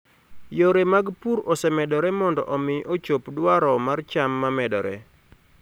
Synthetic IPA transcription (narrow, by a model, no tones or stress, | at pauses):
joɾemaɡpuɾɔsɛmɛdɔɾɛmɔndɔʔɔmɪʔot͡ʃopdwaɾɔmart͡ʃamːamɛdɔ̰ɾɛ̰